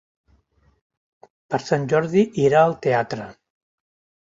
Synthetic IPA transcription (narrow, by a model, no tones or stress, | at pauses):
pəɾsanʲʒɔɾðiʔiɾaəlˠt̪eat̪ɾə